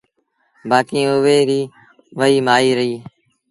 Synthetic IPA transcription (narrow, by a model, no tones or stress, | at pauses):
baːkĩːʊʋeːɾiː | ʋəiːmaːiːɾəɦiː